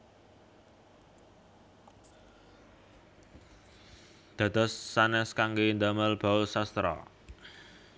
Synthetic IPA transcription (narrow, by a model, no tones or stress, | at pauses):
d̪̥ä̤d̪̥ɔ̤sːanɛskaŋɡend̪aməlb̥a̤ʊlsast̪ɾɔ̰